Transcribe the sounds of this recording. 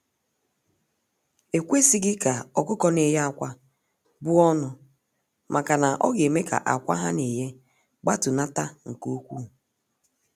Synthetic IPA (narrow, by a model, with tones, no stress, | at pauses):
e˨kʷe˦si˦ɡɪ˦ka˨ɔ˨kʊ˦kɔ˦ne˨ja˨kʷa˦ | bʊ˦ɔ˦nʊ˨ | mʔa˨ka˨na˨ʔɔ̰˦ɡe˨me˦ka̰˨ʔa̰˨kʷa̰˦ɦa˦ne˨je˦ | ɡ͡ba˦tʊ˨na˦ta˦ŋ̩˨ko˦kʷu˦